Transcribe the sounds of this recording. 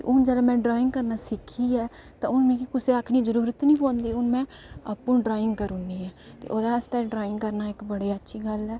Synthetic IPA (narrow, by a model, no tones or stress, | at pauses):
t̪ḛʔʊnd͡ʒəlãːmɛ̃ːɖɾaːɪ̃ŋɡ̚kəɾnaːsɪkʰːiːɛː | t̪ãːʊnmẽːkikʊseːəkʰniːd͡ʒəɾuːɾət̪nĩːpõːnd̪iːʊnmɛ̃ːapːũːɖɾaːɪ̃ŋɡkəɾuniːɛːt̪ḛːʔoːd̪aːəst̪ɛːɖɾaːɪ̃ŋɡkəɾnaːɪkbəɽeːətːʃʰiːɡəlɛː